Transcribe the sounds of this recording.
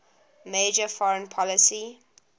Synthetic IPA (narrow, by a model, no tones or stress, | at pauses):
meːd͡ʒəfɔɹə̃npʰɔləsi